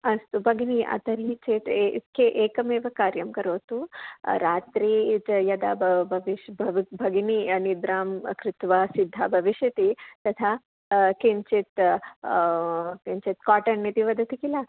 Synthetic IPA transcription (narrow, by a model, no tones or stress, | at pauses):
ɐst̪ubʱɐɡiniʔɐ̰t̪ɐɾit͡ʃeːt̪t̪kʰeʔeːkɐmeːʋɐkaːɾjɐmkɐɾoːt̪uɾaːt̪ɾiːjɐd̪abbʱɐʋiʃbʱɐʋbʱɐɡininid̪ɾaːmkɾɪt̪ʋaːsid̪ʱːabʱɐʋiʃjɐt̪it̪ɐt̪ʰaː | kiɲt͡ʃit̪ | kiɲt͡ʃit̪kaːʈɐnːit̪iʋɐd̪ɐt̪ikilɐ